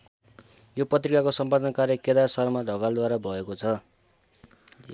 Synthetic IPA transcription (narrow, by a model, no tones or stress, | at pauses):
jopʌt̪rikakosʌmpadʌnkarjʌked̪asʌrmadʱʌɡald̪waɾabʱʌekot͡sʰʌ